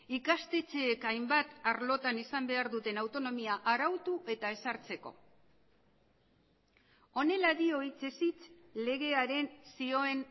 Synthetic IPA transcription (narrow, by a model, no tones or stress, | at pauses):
ikast̪e̞t͡se̞ːkajmbat̪aɾlo̞t̪anisambe̞aɾðut̪e̞nawt̪o̞no̞miaʔaɾawt̪uʔe̞t̪ae̞saɾt͡se̞ko̞̰ | o̞ne̞laðio̞it͡se̞sit͡s | le̞ɣ̞e̞aɾe̞nsio̞e̞n